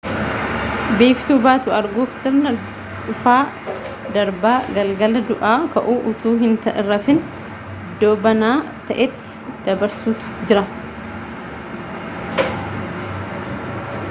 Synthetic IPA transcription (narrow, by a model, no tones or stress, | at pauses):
beːft̪uːbaːt̪ʊɐɾɡuːfsɪɾnɐ | ᶑʊfaː | d̪ɐɾbaːɡɐlɡɐlɐd̪ʊʔaːkɐʔuːʔʊt̪uːɦɪnt̪ɐʔɪrːɐfɪn | d̪ːoːbɐnaː | t̪ɐʔɛt̪ːɪ̥d̪̥ɐbɐɾsuːt̪ʊ̥d͡ʒɪɾɐ